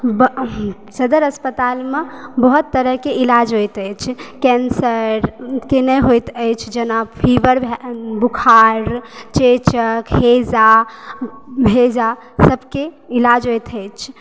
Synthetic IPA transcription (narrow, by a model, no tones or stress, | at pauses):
bə | səd̪əɾəspət̪almebəɦut̪ːəɾəɦkeilad͡ʒɦojt̪əjt͡ʃʰkɛnsəɾkenəjɦojt̪əjt͡ʃʰd͡ʒənapʰiʋəɾbʱbukʰaɾt͡ʃet͡ʃəkhed͡ʒa | bʱed͡ʒa | səbʱkeilad͡ʒɦojt̪ʰəjt͡ʃʰ